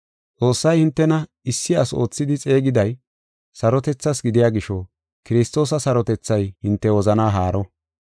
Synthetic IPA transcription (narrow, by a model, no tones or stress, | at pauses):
t͡sʼo̞ːsːɐjhɪnt̪ːɛnɐ | ɪsːɪɐso̞̰ːt͡sːɪd̪ɪt͡sʼe̞ːɡɪd̪ɐj | sɐɾɔt̪ɛt͡sːɐsɡɪd̪ɪjaːɡɪʃɔ | kɪɾɪst̪o̞ːsɐsɐɾɔt̪ɛt͡sːɐjhɪnt̪ːɛwɔzɐnaːɦaːɾɔ